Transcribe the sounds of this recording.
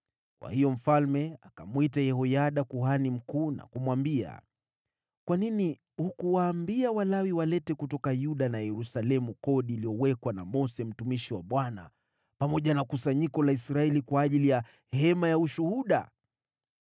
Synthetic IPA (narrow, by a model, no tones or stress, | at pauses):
kwa̰hijɔm̩falmɛakamwitajɛhɔjaɗakuɦanim̩kuːna̰kumwambia̰ | kwanini | hukuwaːmbiawalawiwalɛtɛkutɔkajuɗanajɛɾusalɛmukɔɗiːlijɔwɛkwana̰mɔsɛm̩tumiʃiwaɓwana̰ | pamɔʄanakusaɲikɔlaisɾaɛlikwaːʄilija | hɛmajauʃuhuɗa̰